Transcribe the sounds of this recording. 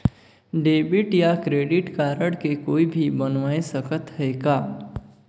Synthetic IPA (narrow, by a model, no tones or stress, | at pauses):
ɖeːbɪʈjakɾeːɖɪʈkaːɾəɽkekoːibʱibənʋaːesəkət̪ɦɛːɡaː